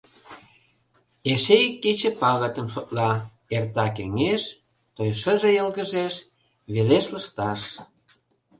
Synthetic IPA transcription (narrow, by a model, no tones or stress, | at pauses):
eʃekːet͡ɕĕpɑɣət̪əmʃot̪̚lɑ | ert̪ɑkḛŋeʃ | t̪ojʃə̆ʒejəlɣə̆ʒeʃ | βeleʃləʃt̪ɑʃ